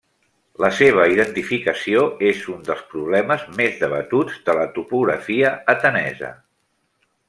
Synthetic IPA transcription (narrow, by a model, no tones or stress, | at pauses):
ləseβ̞əiðənt̪ifikəsioezund̪əlˠspɾuβ̞lɛməzmezðəβət̪ud͡zd̪ələt̪upuɣɾə̰fiəːt̪ənɛ̰zə̰